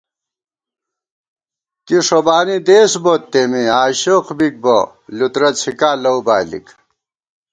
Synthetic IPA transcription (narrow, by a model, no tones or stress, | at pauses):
kiʂobaːnid̪eːsbot̪ːemiaːɕoqʰbik̚bo | lut̪ɾɐt͡sʰikaːlɐwbaːlḭk